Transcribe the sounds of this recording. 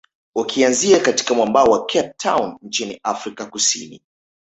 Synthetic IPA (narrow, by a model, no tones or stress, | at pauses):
wakʰianziakati̥kamwambaɔwakʰɛp̚tʰːawnn̩t͡ʃinḭafɾikakusḭnḭ